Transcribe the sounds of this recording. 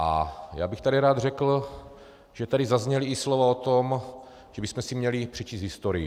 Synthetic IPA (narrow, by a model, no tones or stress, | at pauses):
ʔa̰ja̰ːbɪxt̪adiɾaːd̪r̝ɛkl̩ | ʒ̥ɛt̪adɪzazɲɛliːslovaot̪om | ʒ̥ɛbɪsmɛsimɲɛlɪpr̝ɛt͡ʃiːst̪ɦɪst̪oɾɪj